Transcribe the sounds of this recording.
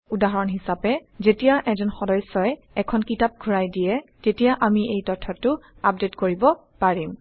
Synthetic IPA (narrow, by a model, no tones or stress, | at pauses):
udaɦɔɹɔnɦisapɛzetijaʔɛzɔnxɔdɔjsɔɛ | ɛkʰɔnkitap̚ɡʱuɹajdijɛtetijaʔamiʔejtɔtʰːɔtʊap̚detkoɹibɔ | paɹim